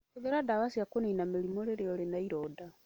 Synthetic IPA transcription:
eɡeɾadaβasjakoninamelimoɾeɾeolenaiɾoda

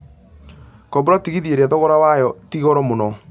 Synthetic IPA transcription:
kɔbuɾɔtiɣiðieɾaðɔɣɔɾawajɔtiɣɔɾɔmonɔ

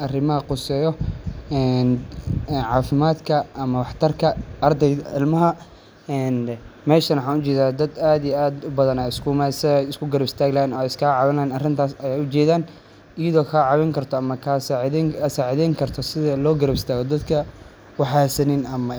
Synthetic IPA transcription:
ʔɐrɪmɐɦɐqʊsɛːjɔɛːnːnʕɑːfɪmaːd̪kʰɐʔɐmɐwɑħt̪ʰɐrkʰɐɐrd̪ɛjɐɪlmɐɦɐ | ɛːnmɛːʃɐnwħɑːnʊt͡ʃɛːðaːd̪ɐd̪aːd̪ijɛaːd̪ʊbɐðɐnajɪskʰʊmasɪɛjɪskʰʊɡɐɾɐbɪst̪ʰaːɡlanɔɛɪskʰaːʕɑβɪnanɐrɪnt̪ʰaːsɐjɛjʊt͡ʃɛːðaːn | ɪjɐðɔːkʰaːʕɑβɛŋkʰɐrt̪ʰɔɐmɐkʰasɐsaːʕðɛŋkʰɐrt̪ʰɔsɪðɐlɔːɡɐɾɐbɪst̪ʰaːɣɔd̪ɐd̪kʰɐ | wɑħɑːsɐnɪnɐmɐ

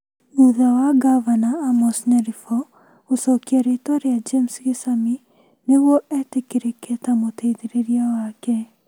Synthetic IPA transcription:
muðawaɡavanaamɔsnɛɾifɔ | osɔkiaɾetaɾead͡ʒemsɣesami | neɣwɔɛtekeɾekɛtamoteiðeɾeɾiawakɛ

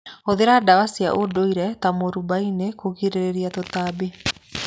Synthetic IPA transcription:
oðeɾadawasia̰ʔodoiɾɛtamoɾubainekoɣiɾeɾeɾiat̪otabi

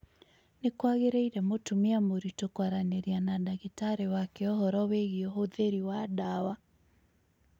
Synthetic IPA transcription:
nekwaɣeɾɛiɾɛmotumeamoɾitokwaɾaneɾianadaɣetaɾewakɛɔhɔɾɔweɣiɔɦoðeɾiwadawa

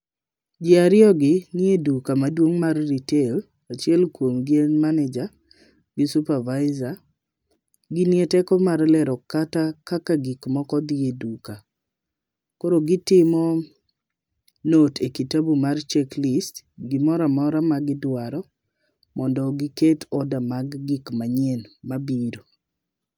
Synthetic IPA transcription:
d͡ʒɪaɾɪɔɡɪnjedukamadwoŋmarːitel | at͡ʃɛlkwomɡɪenmanɛd͡ʒa | ɡɪsupavaɪza | ɡɪnjetɛkɔmarlɛɾɔkatakakaɡikmɔkɔd̪jeduka | koɾoɡɪtɪmɔ | notʰekitabumart͡ʃɛklistɡɪmɔɾamɔɾamaɡɪdwaɾɔ | mɔndɔɡɪketʰɔdamaɡːikmaɲenmabiɾo

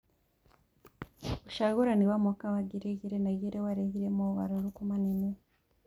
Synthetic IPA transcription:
βuʃaɡuɾaniwamukaβaɡiɾeɡiɾenaɡiɾewaɾehiɾemoβa̰ɾuɾukumanine

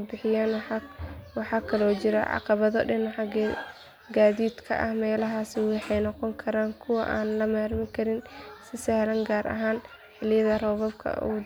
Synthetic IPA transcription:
bɪħɪjaːn | wɑħɑkʰɐlɔːt͡ʃɪɾɐ̰ʕɑ̰qɑβɐðɔ̰ɖɐnwħɑ | ɡaːðiːd̪kʰɐ̰ʔɐ̰hmɛːlɐɦaːsɪwɑħɑjnɔqɔŋkʰɐɾaːŋkʰʊwɐ̰ʔa̰ːnlɐmaːrmɪŋkʰɐɾɪnsɪsɐhlɐŋɡaːɾɐ̰ɦaːn | ħɪlɪjɐðɐrɔːβɐb̚kʰɐ̰ṵː

